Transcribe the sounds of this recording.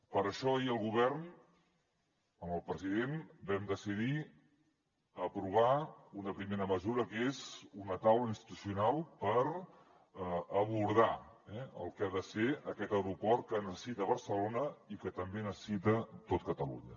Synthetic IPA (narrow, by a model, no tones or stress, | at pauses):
pəɾəʃɔiəlˠɣuβ̞ɛrn | əməlˠpɾəziðenbɛmd̪əsið̞i | əpɾuβ̞aunəpɾimeɾəməzuɾəkezunət̪awləinst̪i̥t̪usiunalˠpəɾ | əβuɾð̞aɛə̰lˠkaðəseəkɛt̪əwɾupɔr̚kənəsəsit̪əβəɾsəlonəikət̪əmbenəsə̥sit̪ət̪ot̪̚kət̪əlṵɲə̰